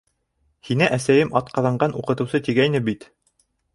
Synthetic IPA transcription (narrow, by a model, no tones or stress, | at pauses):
hinæʔæsæjɘmʔɑt̪qɑðɑɴɢɑnuqɤ̆t̪ɤ̆wsɤt̪iɡæjnɘbit̪